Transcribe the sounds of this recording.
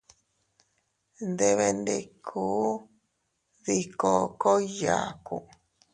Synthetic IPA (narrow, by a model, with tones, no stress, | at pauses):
nd̪e˧βe˧nd̪e˧˨kʰuː˦ | ði˦ko˧˨ko˦ja̰˨ku˨